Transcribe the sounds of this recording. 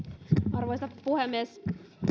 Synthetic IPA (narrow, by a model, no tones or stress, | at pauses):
ɑrʋoijst̪ɑpuhemːes